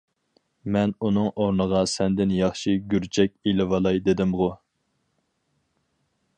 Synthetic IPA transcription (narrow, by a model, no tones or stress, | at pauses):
mɛnunɨŋʔoɾnəʁɑsɛnd̪ɪnjɑχʃiɡʲyɾt͡ʃʰɛkʲilɪvɑlˠɑjd̪ɪd̪ɪmʁʊ